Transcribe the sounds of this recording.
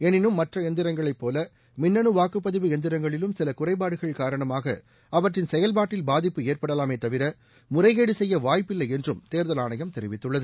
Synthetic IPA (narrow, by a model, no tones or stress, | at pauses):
ɛnɪnɯmːɐʈrɐɛnd̪ɪɾɐŋɡɐɭɐɪpːoːlɐ | mɪnːɐnɯʋaːkɯpːɐðɪʋɯɛnd̪ɪɾɐŋɡɐɭɪlɯmsɪlɐkʊrɐɪpaːɽɯɣɐɭkaːɾɐɳɐmaːɣɐ̰ | ɐʋɐʈrɪnsɛjɐlbaːʈːɪlbaːðɪpːɯeːrpɐɽɐlaːmeːt̪ɐʋɪɾɐ | mʊrɐɪɣeːɽɯsɛjːɐʋaːjpːɪlːɐɪɛndrɯmt̪eːɾðɐlaːɳɐjɐmt̪ɛɾɪʋɪt̪ːɯɭːɐðɯ